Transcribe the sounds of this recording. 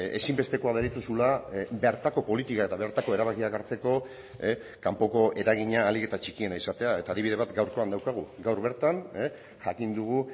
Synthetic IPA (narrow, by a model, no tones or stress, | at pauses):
e̞̰simbe̞st̪e̞ko̞aðeɾit̪usulabeɾt̪ako̞po̞lit̪ikae̞t̪aβe̞ɾt̪ako̞e̞ɾaβakiaɣaɾt͡se̞ko̞ | kampo̞ko̞ʔe̞ɾaɣiɲaːlike̞t̪at͡ʃikie̞naisat̪e̞ae̞t̪aːðiβið̞e̞βat̪ɡawɾko̞and̪awkaɣ̞uɡawɾβe̞ɾt̪an | ʝakind̪uɣ̞u